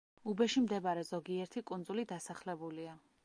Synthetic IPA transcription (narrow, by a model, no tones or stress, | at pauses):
ubɛʃimd̪ɛbaɾɛzɔɡiɛɾt̪ʰikʼund̪zulid̪asaχlɛbulia